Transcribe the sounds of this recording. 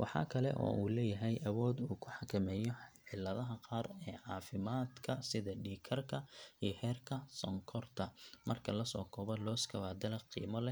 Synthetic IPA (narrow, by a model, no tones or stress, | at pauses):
wʔɑ̰ħɑ̰ːkʰɐlɛ̰ʔɔ̰ːuːlɛːjɐɦɛjʔɐwɔːd̪uːkʰʊħɑkʰɐmɛːjɔʕɪlːɐðɐɦɐqɑːrɛːʕɑːfɪmaːd̪kʰɐsɪðɐɖiːkʰɐrkʰɐihɛːrkʰɐsɔŋkʰɔrt̪ʰɐmɐrkʰɐlɐsɔːkʰɔːβɐlɔːskʰɐwaːd̪ɐlɐqḭːmɔlɛ